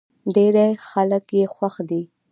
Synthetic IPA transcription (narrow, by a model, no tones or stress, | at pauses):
ɖeɾexaləkjexwaxd̪i